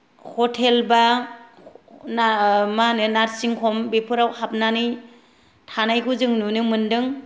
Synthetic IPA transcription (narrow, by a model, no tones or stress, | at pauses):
hɔtʰelba | amanɯnaɾsiŋkʰɔmbepʰɯɾawhap̚nani | tʰanajkʰuzɯŋnunɯmɯndɯŋ